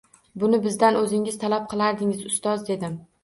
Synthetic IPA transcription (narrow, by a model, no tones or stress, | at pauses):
bʊnɪbɪzd̪anɵzɪŋɪz̥t̪ʰalap̚qʰɨlˠaɾd̪ɪŋɪzʊst̪ɒzd̪e̞d̪ɪm